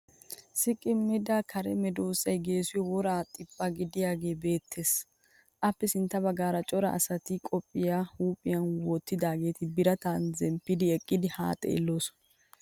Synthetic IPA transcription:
sɪkʼːɪmːɪd̪akʰɐɾɛmɛd̪oːsɐjɡe̞ːsʊjɔwɔɾaːt̪ʼːɪpʼːaɡɪd̪ɪjaːɡe̞ːbe̞ːt̪ʰːe̞ːs | ʔɐpːɛsɪnt̪ːɐbɐɡaːɾɐt͡ʃʼɔɾɐɐ̰sɐt̪ɪkʼɔpʼːɪjahuːpʼɪjɐnwɔt̪ːɪd̪aːɡe̞ːt̪ɪbɪɾɐt̪anzɛmpːɪd̪ɪɛkʼːɪd̪ɪha̰ːt̪ʼḛːlːo̞ːsɔ̥

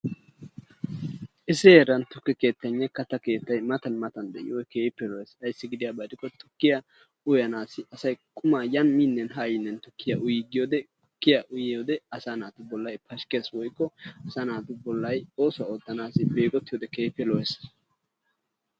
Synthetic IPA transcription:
ʔɪsɪeɾɐnt̪ʊkːɪke̞ːt̪ːɐɲːɐkɐt̪ːɐke̞ːt̪ːɐjmɐt̪ɐnmɐt̪ɐnd̪ɛ̰ʔɪ̰wɔjkeːpːɛlɔesɐjsːɪɡɪd̪ɪjɐbɐd̪ɪkːɔt̪ʊ̥kːɪjɐ | ʊjɐnaːsɪʔɐsɐjkʼʊmaːjɐnmiːnːɛnɦajɪnːɛnt̪ʊkːɪjɐʔʊjɪɡɪjoːd̪ɛ | ʊ̥kːɪjɐʔʊjjoːd̪ɛɐsaːnaːt̪ʊbɔlːɐjpɐʃkeːswɔjkːɔɐsanaːt̪ʊbɔlːɐjo̞ːsɔwɐoːt̪ːɐnaːsɪbe̞ːɡʼɔt̪ːɪjoːd̪ɛkeːpːɛlɔjes

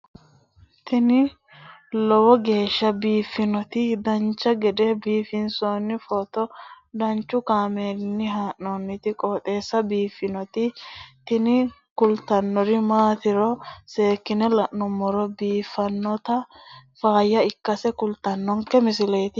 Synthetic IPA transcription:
t̪ɪnɪ | lɔwɔɡe̞ːʃːɐbiːfːɪnɔt̪ɪd̪ɐnt͡ʃːɐɡɛd̪ɛbiːfɪnsoːnːɪfɔt̪ɔ | d̪ɐnt͡ʃːʊkaːmeːnːɪɦaːʔnɔnːɪt̪ɪkʼɔːt̪ʼe̞ːsːɐbiːfːɪnɔt̪ɪt̪ɪnɪ | kʊlt̪ɐnːɔɾɪmaːt̪ɪɾɔse̞ːkːɪnɛlɐʔnɔmːɔɾɔbiːfːɐnːɔt̪ɐfaːjːɐɪkːɐsɛkʊlt̪ɐnːɔŋkɛmɪsɪlɛːt̪ɪ

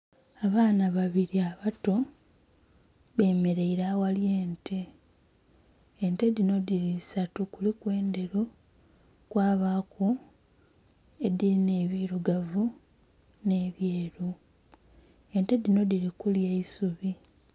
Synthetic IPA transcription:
aβaːnaβaβiɾiaβato̞ | βe̞ːme̞ɾe̞iɾawalje̞ːntʰe̞ | ente̞dino̞diɾisatukulikwe̞ːnde̞ɾu | kwaːβaːkʰo | ediɾine̞ːβiɾuɡavu | ne̞βjeːɾu | ente̞dino̞diɾikuljeisuβi

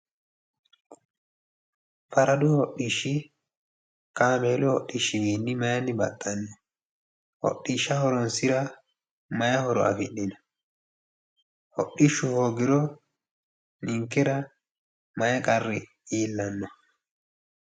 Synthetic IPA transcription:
fɐɾɐd̪ʊhɔɗːiʃːɪ | kaːmeːlʊhɔɗːiʃːɪbiːnːɪmɐjɐnːɪbɐ̰t̪ʼːɐnːɔ | hɔ̰ɗːiːʃːɐhɔɾɔnsɪɾɐ | mɐjɐhɔɾɔ̰ɐ̰fɪɗːɪnɔ | hɔ̰ɗiʃːʊhoːɡɪɾɔ | nɪŋkːɛɾɐ | mɐjɛkʼɐrːɪ | iːlːɐnːɔ

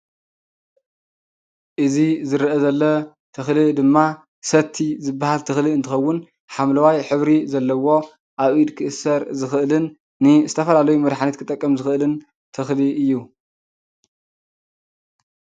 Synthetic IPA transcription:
ʔɨzizɨɾʔɐzɐlːɐ | t̪ʰɨxlid̪ɨmːa | sɐt̪ʰːizɨbːahalt̪ʰɨxliɨnt̪ɨxɐwːʊn | ħamlɐwajħɨβɾizɐlːɐwo̞ | ʔaβid̪kʰɨʔɨsɐɾzɨxɨʔlɨnː | ɨzɨt̪ʰɐfɐlalɐjumɐd̪ħanɐt̪kʰɨt̪ʼːɐkʼːɐmzɨxɨʔɨlɨn | t̪ʰɨxliʔɨjːu

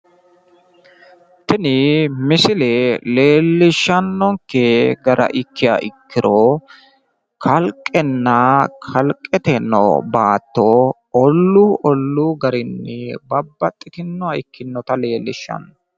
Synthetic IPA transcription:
t̪ɪnɪmɪsɪlɛle̞ːlːɪʃːɐnːɔŋkːɛɡɐɾʔɐ̰ʔɪkːɪja̰ːʔɪkːɪɾo | kʰɐlkʼːɛnːɐkʰɐlkʼːɛt̪ɛnːɔ̰baːt̪ːo | ɔlːuːʔɔlːuɡɐɾɪnːɛbɐbːɐt̪ʼːɪt̪ɪnːɔɐɪkːɪnːɔt̪ɐle̞ːlːɪ̰ʃːɐ̰nːɔ

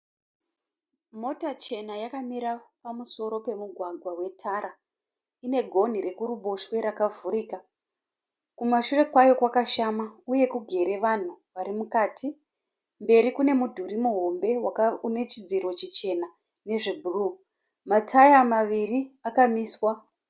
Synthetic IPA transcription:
mo̞tat͡ʃe̞najakamiɾapamuso̞ɾo̞pe̞muɡʱwaɡʱwawe̞tʰaɾa | ine̞ɡʱo̞n̤ire̞kuɾuɓoʃwe̞ɾakavuɾiːka | kumaʃure̞kwajo̞kwakaʃamauje̞kuɡʱe̞ɾe̞ʋan̤uʋaɾimukaːtʰi | mbe̞ɾikune̞mudʱuɾimuɦo̞mbe̞waune̞t͡ʃid͡ziɾo̞t͡ʃit͡ʃe̞na | ne̞ʐebʱuruː | matʰajamaʋiriakamiːswa

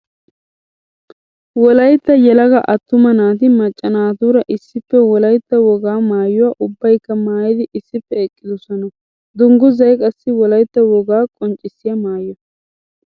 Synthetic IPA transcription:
wɔlɐjt̪ːɐjɛlɐɡɐʔɐt̪ːʊmɐnaːt̪ɪmɐt͡ʃʼːɐnaːt̪uːɾɐʔɪsːɪpːɛwɔlɐjt̪ːɐwɔɡaːmaːjʊwaːʔʊbːɐjkːɐmaːjɪd̪ɪʔɪsːɪpːɛɛkʼːɪd̪ɔsɔnɐ | d̪ʊŋɡʊzɐjkʼɐsːɪwɔlɐjt̪ːɐwɔɡaːkʼɔnt͡ʃʼːɪsːɪjɐmaːjɔ

